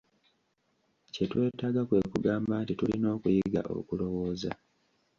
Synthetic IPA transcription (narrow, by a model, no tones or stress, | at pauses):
ce̞twe̞ːtaːɡakwe̞kuɡaːmbaːntitulino̞ːkujiɡa̰ʔo̞̰kulo̞wo̞ːza̰